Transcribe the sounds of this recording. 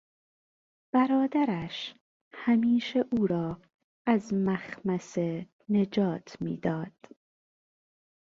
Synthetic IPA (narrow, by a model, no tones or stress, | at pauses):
b̥æɾɒːd̪æɾæʃ | hæmiːʃeʔuːɾɒː | æzmæxmæse | ne̞d͡ʒɒːt̪ʰmḭːd̪ɒːd̪̥